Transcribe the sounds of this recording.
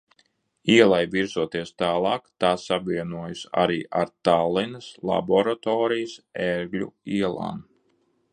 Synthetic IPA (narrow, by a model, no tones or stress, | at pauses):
iɛlˠajvʲiɾzuɔt̪iɛst̪aːlˠɑːkt̪aːsabviɛnuɔjusa̰ɾiːʔaɾt̪alˠinɐslˠa̰bɔɾat̪ɔːɾijasɛɾɡlʲṵiɛlˠa̰ːn